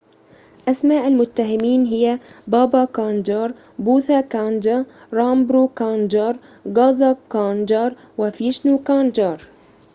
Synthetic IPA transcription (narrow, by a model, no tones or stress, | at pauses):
ʔasmaːʔalmʊt̪ːaɦɪmiːnɦɪjabɑːbɑkaːnd͡ʒɑːɾˤ | buːθakaːnd͡ʒɑ | ɾˤɑːmbɾuːkaːnd͡ʒɑːɾˤ | ɡɑːzˤɑkaːnd͡ʒɑːɾˤ | wafiːʃnuːkaːnd͡ʒɑːɾˤ